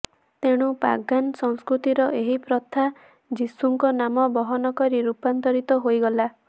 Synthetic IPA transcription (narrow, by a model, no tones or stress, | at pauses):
t̪eɽ̃upa̰ɡansɔŋskɾut̪iɾɔʔeɦipɾɔt̪ʰa | d͡ʒisuŋkɔnamɔbɔɦɔnɔkɔɾiɾupant̪ɔɾit̪ɔɦojɡɔla